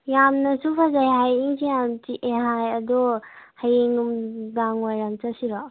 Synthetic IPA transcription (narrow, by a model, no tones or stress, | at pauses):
jamnɐsupʰazajɦajiŋsijamtiʔeɦajɐdɔhajeŋumbaŋwajɾamt͡ʃasiɾɔ